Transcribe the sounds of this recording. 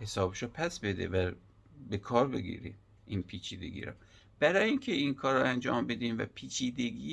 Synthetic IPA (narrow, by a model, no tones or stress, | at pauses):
he̞sɒːbeʃopʰæsbe̞d̪ḛvæ | bekʰɒːɾbe̞̰ɡḭɾḭ | ʔiːnpʰiːt͡ʃʰiːd̪e̞̰ɡḭːɾɒ̰ | b̥æɾɒːjiŋcʰeinkʰɒːɾɑænd͡ʒɒ̰ːmbe̞d̪iːmvæ̰pʰiːt͡ʃʰiːd̪e̞ɡiː